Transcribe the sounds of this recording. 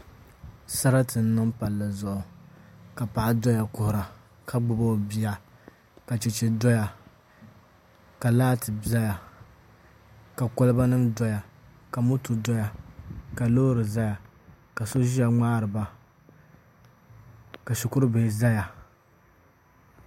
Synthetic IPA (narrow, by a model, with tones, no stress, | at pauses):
sa˦ɾa˦tɨ˨n̩˦nɨ˦ŋpa˨lːa˨zʊ˨ʔʊ˨ka˨pa˨ʔa˦dɔ˦ja˨kʊ˨hʊ˨ɾa˨ | ka˦ɡ͡bʊ˨bo˦˨bi˦˨a˨ | ka˨t͡ʃɛ˨t͡ʃɛ˨dɔ˦ja˨ | ka˨laː˦tɨ˨ba˦ja˨ | ka˨ko˦lɨ˦ba˦nɨ˦mdɔ˦ja˨ | ka˨mʊ˦tu˨dɔ˦ja˨ka˨lo˦ɾɨ˨za˦ja˨ | ka˨so˦ʒi˦ja˨ŋ͡maː˦ɾɨ˨ba˦ | ka˨ʃʊ˨kʊ˦ɾɨ˦be˨za˦ja˨